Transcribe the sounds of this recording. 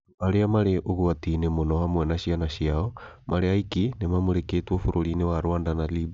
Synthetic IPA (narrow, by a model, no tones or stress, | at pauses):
aɾeamaɾeʔoɣuatiːnemonɔhamwɛnaʃianaʃiaɔ | mʔaɾeaikinemamoɾeketwɔfoɾoɾiːnewaɾoandanalib